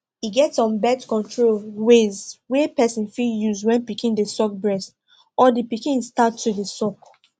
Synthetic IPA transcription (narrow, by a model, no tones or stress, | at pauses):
iɡɛtsɔ̃nbɛtkɔ̃ntʰɹolwezwɛpɛsɔ̃nfijuzwɛ̃npikĩndəsɔk̚bɹɛst | ɔdipikĩnstatʰːudəsɔk